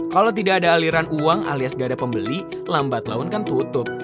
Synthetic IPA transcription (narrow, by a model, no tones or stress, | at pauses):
kalowt̪̬idaːdaːliɾanuaŋa̰liasɡadapəmbəli | lambat̪la̰ʊnkant̪ut̪ʊp̚